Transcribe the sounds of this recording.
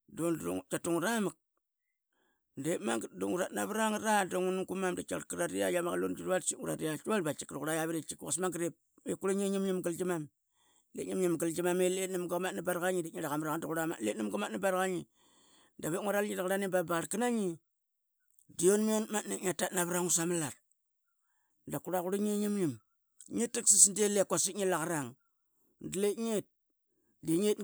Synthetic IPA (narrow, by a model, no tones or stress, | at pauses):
dono̰ŋt͡ʃatuŋɾamak̚ | ndemaŋdoŋuɾatnaβɾaŋɾadoŋunuŋkumamdit͡ʃa̰ɾkiɾaɾia̰jamaɣalo̰nd͡ʒiɾβatt͡ʃiŋuɾa̰ɾiat͡ʃualbat͡ʃi̥kɾuɣuɾajaβiɾet͡ʃikasmaŋɡɾep̚ | ekuɾuɲeɲimɲimɡild͡ʒimam | lḛɲimɲimɡild͡ʒimamelenimɡamatnibaɾkaɲiditɲiɾaɣamɾaanduɣuɾama̰letnimɡamatnibaɾkaɲi | daβeŋʷaɾalɲidaɣaɾanibabaɾkanaɲi | dionmionmatneɲatatnaβɾaŋusamalat | dakuɾakuɾaɲeɲimɲim | ɲetːiksisndelekʷasitɲilaɣaɾaŋ | dletɲet̚ | deɲet